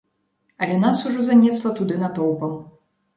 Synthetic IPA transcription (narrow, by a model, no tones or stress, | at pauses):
ɐlʲɛnasuʐɔzanʲɛslˠɐt̪ud̪ɨnɐt̪ɔwpɐm